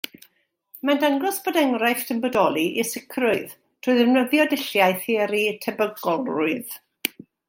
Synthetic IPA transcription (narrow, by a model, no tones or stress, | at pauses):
mandaŋɡɔsb̥ɔdɛŋrajfdʰəmbɔdɔlˠiʔḭsɪkʰrʊɨð | tʰʊɨðəvnəðjɔdɪɬjaɨθɪːɾitʰɛbəɡɔlˠrʊɨð